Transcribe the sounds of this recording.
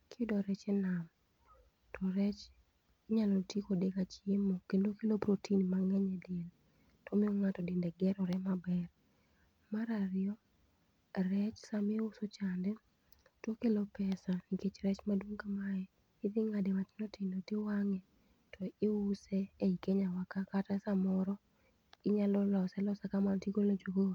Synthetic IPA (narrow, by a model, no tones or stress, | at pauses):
kʰɪdɔɾɛt͡ʃɛnam | tʰɔɾɛt͡ʃ | ɲalɔtikodekat͡ʃjemokendokelopɾotʰinmaŋɛɲɛdel | tomɪoŋatɔdɪndɛɡɛɾɔɾɛmabɛr | maɾaɾɪɔ | ɾɛt͡ʃsamɪʊsot͡ʃandɛ | twokelopɛsaniket͡ʃɾɛt͡ʃmadwoŋkamaɛ | ɪðɪŋademat͡ʃnotɪnotɪwaŋɛ | tʰɔɪusɛːikeɲawakakatasamɔɾɔ | ɪɲalɔlɔsɛlɔsakamantikolod͡ʒoɡo